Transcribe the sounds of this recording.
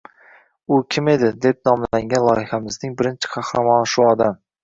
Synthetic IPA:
ʊkʲʰɪme̞d̪ɪd̪e̞p̚nɒmlaŋɡʲanlˠɒjɪhamɪznɪŋbɪɾɪnt͡ʃʰɪ̥qʰɑhɾamɒnʃʊɒd̪am

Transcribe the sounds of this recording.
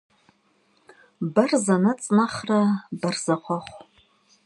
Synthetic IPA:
barzanɨt͡sʼnaχrabarzaχʷaχʷ

